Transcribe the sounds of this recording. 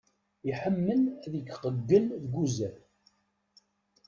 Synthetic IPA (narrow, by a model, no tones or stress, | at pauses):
iħəmːəlæðɡqəɡːəlðɡuzæɾ